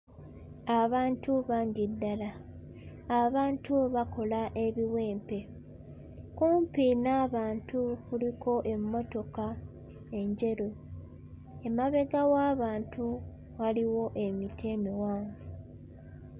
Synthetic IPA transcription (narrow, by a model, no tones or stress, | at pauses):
aβaːntuβaːɲɟidːalaː | βaːntʰuβako̞laʔe̞βiwe̞ːmpe̞ | kuːmpinaːβaːntukulikʰo̞ʔe̞mːo̞to̞ka | e̞ɲɟe̞ɾo | e̞maβe̞ɡawaːβaːntu | ɣaliwo̞ʔe̞mitʰemiwaːɱvu